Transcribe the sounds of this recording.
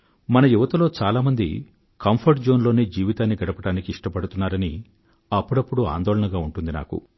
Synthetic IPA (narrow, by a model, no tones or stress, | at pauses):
mɐnɐjuʋɐt̪ɐlo̞ːt͡ʃaːlaːmɐnd̪ḭ | kɐmpʰɐɾʈd͡ʒo̞ːnloːneːd͡ʒiːʋit̪aːnːiɡɐɽɐpɐɽaːnikiiʂʈɐpɐɽut̪unːaːɾɐni | ɐpːuɽɐpːuɽua̰ːnd̪ɔːlɐnɐɡaːuɳʈund̪ina̰ːkṵ